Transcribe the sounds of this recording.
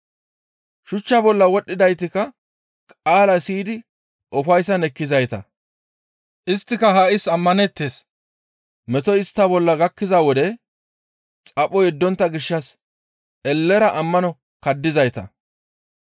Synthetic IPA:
ʃʊt͡ʃːɐbɔlːɐwɔɗːɪd̪ɐjt̪ɪkɐ | kʼaːlɐsiːd̪ɪ | ʔɔfɐjsɐnɛkːɪzɐjt̪ɐ | ʔɪst̪ːɪkɐɦaʔɪsɐmːɐnɛt̪ːeːs | mɛt̪ɔɪst̪ːɐbɔlːɐɡɐkːɪzawɔd̪ɛ | t͡sʼɐpʼːɔjɛd̪ːɔnt̪ːɐɡɪʃːɐs | ʔɛlːɛɾɐʔɐmːɐnɔ | kɐd̪ːɪzɐjt̪ɐ

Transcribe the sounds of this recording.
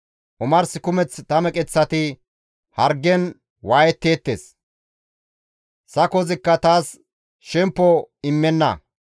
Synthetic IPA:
ʔʊmɐɾsɪkʊmɛt͡st̪ɐmɛkʼɛt͡sːɐt̪ɪ | hɐɾɡɛn | waːjɛt̪ːe̞ːt̪ːḛːs | sɐkɔzɪkːɐt̪aːs | ʃɛmpːɔɪmːɛnːɐ̰

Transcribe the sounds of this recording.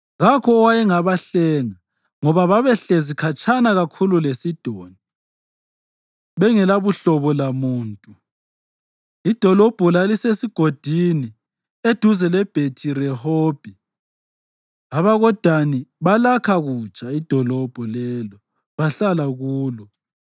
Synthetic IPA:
ɣakʰɔːwajɛŋaβaɬɛŋa | ŋɔβaβaβɛɬezikʰat͡ʃʼanaɣakʰululesid̥ʱoːni | βɛŋɛlaβuɬɔβɔlamuːntʼu | id̥ʱɔlɔb̥ʱɔlalisesiɡ̥ʱod̥ʱini | ed̥ʱuzɛlɛb̥ʱetʰiɾɛhob̥ʱi | aβaɣɔd̥ʱaniβalakʰaɣut͡ʃʼaid̥ʱɔlɔb̥ʱɔlɛlɔ | βaɬalaɣuːlɔ

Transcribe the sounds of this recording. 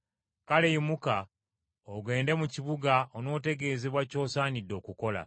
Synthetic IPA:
kale̞imuka | oɡwe̞ːnde̞muciβuɡaono̞ːte̞ɡe̞ːze̞βwaco̞ːsaːnidːo̞ːkuko̞la̰

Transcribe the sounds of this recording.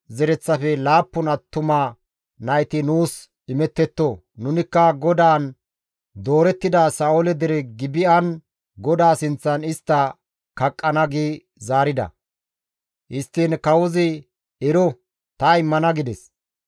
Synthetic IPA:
zɛɾɛt͡sːɐfɛlaːpːʊnɐt̪ːʊmaː | nɐjt̪ɪnuːs | ɪmɛt̪ːɛt̪ːo | nʊnɪkːɐɡɔd̪aːn | d̪o̞ːɾɛt̪ːɪd̪asaːolɛd̪ɛɾɛɡɪbɪɐn | ɡɔd̪aːsɪnt͡sːɐnɪst̪ːɐ | kɐkʼːɐnɐɡiː | zaːɾɪd̪ɐ̰ | ʔɪst̪ːinkɐwɔzɪ | ɛɾɔ | t̪ɐɪmːɐnɐɡɪd̪ɛs

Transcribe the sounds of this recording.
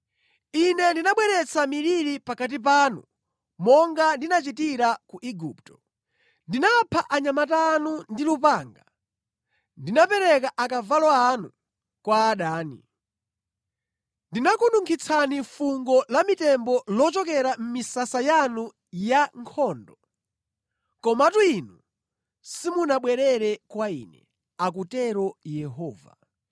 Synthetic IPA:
inɛndinaɓwɛɾɛt͡sʰamiɾiɾipakat̬ip̬aːnṵ | mɔŋɡandinat͡ʃitiɾakuʔiɡuptɔ̥ | ndinapʰaʔaɲamataːnundilupaːŋɡa | ndinapɛɾɛkaʔakavalɔanu | kwaːɗaːnḭ | ndinakunduŋkʰit͡sʰanifuŋɡɔlamitɛmbɔlɔt͡ʃɔkɛɾam̩misasajanu | jaŋkʰɔːndɔ | kɔmatuinu | simunaɓwɛɾɛɾɛkwaḭnɛ̰ | ak̬utɛɾɔjɛɦɔːva̰

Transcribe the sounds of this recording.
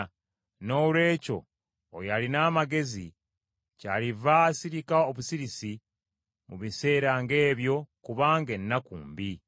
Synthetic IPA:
no̞ːlwe̞ːco̞̰ː | jalinaːmaɡe̞zḭ | calivasiɾikaoβusiɾisi | muβise̞ːɾaŋɡe̞ːβjo̞kuβaːŋɡe̞nːakṵːmbi

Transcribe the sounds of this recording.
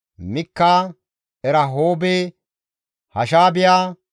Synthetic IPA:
mɪkːaː | ɛɾɐɦoːbeː | hɐʃaːbɪjaː

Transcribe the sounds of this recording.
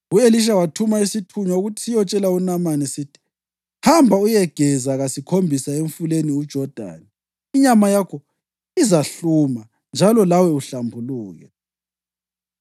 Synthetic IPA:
ueliʃ̬awatʰumaisitʰuɲɔuɣutʰi̥sijɔt͡ʃʼɛlaunamanɛsitʰi̥ | hambʱaujɛɡ̥ʱɛzaɣasikʰombʱisaeɱfuleniud̥ʒ̥ʱɔd̥ʱa̰ːni | iɲamajakʰɔ | izaɬuma | nd͡ʒʱalɔlawɛuɬambʱuluːɣɛ̰

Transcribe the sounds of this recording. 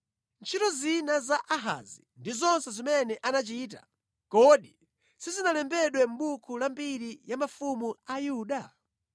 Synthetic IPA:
nt͡ʃʰitɔzinazaʔaɦa̰zindizɔnsɛzimɛnɛʔanat͡ʃiːta̰ | kɔɗi | sizinalɛmbɛɗwɛm̩ɓukʰulambiɾijamafumuajuːɗa

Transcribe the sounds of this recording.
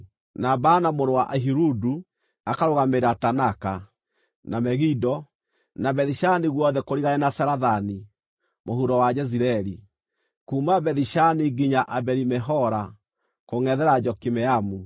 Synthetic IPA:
nabanamoɾowaʔaɦiɾudu | akaɾoɣameɾatanaka | namɛɣidɔ | nabɛðiʃaniɣwɔðɛkoɾiɣaɛnasaɾaðani | mohuɾɔwad͡ʒɛziɾɛɾi | kuːmabɛðiʃaniɡiɲaʔabɛɾimɛɦɔɾa | koŋɛðɛɾad͡ʒɔkimɛamu

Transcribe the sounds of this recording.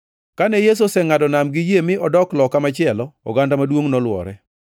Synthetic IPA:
kanɛjes̬osɛŋadɔnamɡɪjemɪʔɔdɔklɔkamat͡ʃɪɛlɔɔ̰ɡandamadwoŋnɔlwɔ̰ɾɛ

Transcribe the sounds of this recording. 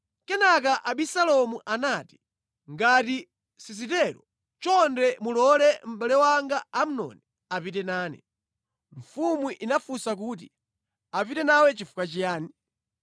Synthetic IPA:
kɛnakaʔaɓisalɔmuʔanaːti̥ | ŋɡati | sis̬itɛɾɔ | t͡ʃɔndɛmulɔlɛm̩ɓalɛwaŋɡaam̩nɔ̰nɛ | apitɛnaːnɛ̰ | ɱ̩fumuʔinafusak̬uːt̬i | apitɛnawɛt͡ʃifukat͡ʃijaːni

